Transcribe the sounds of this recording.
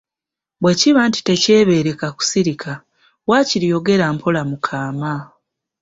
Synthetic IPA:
bwe̞ciβaːnti̥te̞ce̞ːβe̞ɾe̞kaku̥siɾikʰa | waːciɾijo̞ɡe̞ɾampʰolamukʰaːma

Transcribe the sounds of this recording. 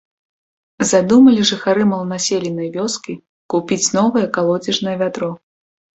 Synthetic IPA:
zad̪umɐlʲiʐɨxaɾɨmɐlˠnasʲelʲinɐjvʲɔskʲi | kupʲit͡sʲnɔvɐjɛkalˠɔd͡zʲɛʐnɐjɛvʲat̪ɾɔ

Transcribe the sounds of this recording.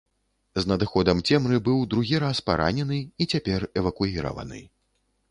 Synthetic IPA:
znɐd̪ɨxɔd̪ɐmt͡sʲɛmɾɨbɨwd̪ɾuɣʲiɾaspaɾa̰nʲɛnɨit͡sʲapʲɛrɛvɐkujiɾɐ̰vɐ̰nɨ̰

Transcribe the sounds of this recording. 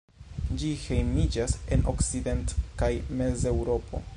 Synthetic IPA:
d͡ʒihe̞jmid͡ʒase̞no̞̰kside̞ntkajme̞ze̞wɾo̞pʰo̞̰

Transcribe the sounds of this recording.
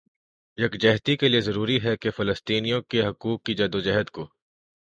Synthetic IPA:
jɐkd͡ʒɛɦt̪ikeliezɐɾuːɾiɦɛkefɐləst̪iːnijõkeɦɐkuːkːid͡ʒɐd̪od͡ʒɛɦəd̪koː

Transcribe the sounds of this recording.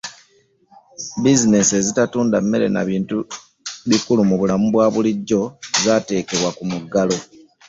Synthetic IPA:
bizine̞se̞zitatuːndamːe̞ɾe̞̰na̰βiːntu | βikulumuβulamuβwaːβuliɟːo̞zaːte̞ːke̞βwakumuɡalo̞

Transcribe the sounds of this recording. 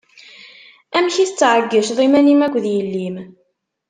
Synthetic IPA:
æmçiθət͡sːʕəɡːəʃðˤimænimækʷːðjəlːim

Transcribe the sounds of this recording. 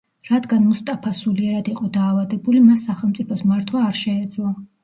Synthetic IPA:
ɾad̪ɡanmust̪ʼapʰasuliɛɾad̪iqʼɔd̪aːvad̪ɛbulimasːaχɛlˠmt̪sʼipʰɔsmaɾt̪ʰwaːɾʃɛːd̪zlˠa

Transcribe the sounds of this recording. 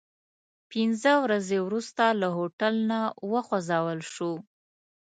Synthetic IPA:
pɪnzəwɾazewɾust̪alaɦoʈalnawəxwazɑwəlʃu

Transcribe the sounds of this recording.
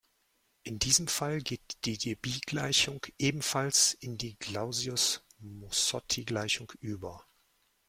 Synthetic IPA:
ʔɪndiːzəmfalɡeːtd̥iːdebiːɡ̥laɪçʊŋkʔeːbm̩falsʔɪndiːɡlaʊziʊsmɔsɔtʰiɡlaɪçʊŋkʔyːbɐ

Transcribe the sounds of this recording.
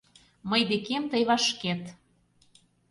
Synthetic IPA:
məjd̪ekemt̪əjβɑʃket̪

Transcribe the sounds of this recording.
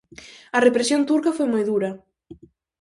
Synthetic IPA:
ɐrepɾesjont̪uɾkɐfojmajðuɾɐ

